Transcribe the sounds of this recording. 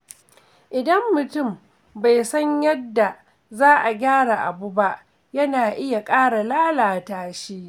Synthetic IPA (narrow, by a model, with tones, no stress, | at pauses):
ʔɪ˨dɐ˦mːʊ˨tʊ˦˨m | ba˨jsɐ˦ɲjɐ˦dːa˨ | zaː˦ʔa˨ɡʲaː˦ɽa˨ʔa˨bu˦ba˦ʔ | jɐ˦naː˨ʔɪ˦ja˨kʼaː˦ɽa˨laː˦laː˨taː˦ʃiː˦